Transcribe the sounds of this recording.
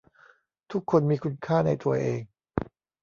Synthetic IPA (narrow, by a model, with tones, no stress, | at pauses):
t̪ʰu˦˥kʰːo˧nmiː˧kʰu˧nkʰaː˥˩na˧jt̪u˧ɐʔeː˧ŋ